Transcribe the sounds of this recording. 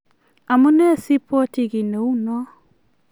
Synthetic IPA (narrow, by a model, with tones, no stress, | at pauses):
a˨mu˦nɛ˦si˦pʰo˦ti˨ɣi˨ne˨u˦nwa˦